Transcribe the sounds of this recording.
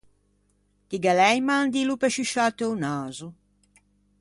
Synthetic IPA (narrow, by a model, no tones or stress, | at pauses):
t̪iɡalɛjmand̪ilupɛʃuʃat̪eunaːzu